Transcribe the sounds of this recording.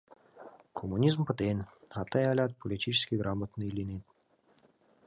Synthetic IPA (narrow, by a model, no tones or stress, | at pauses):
kʰomunʲizmpət̪enʲat̪ːɑjalʲɑt̪̚pʰolʲitʲit͡ɕɪ̥skʲiɡɾʔamət̪nəilʲinet̪̚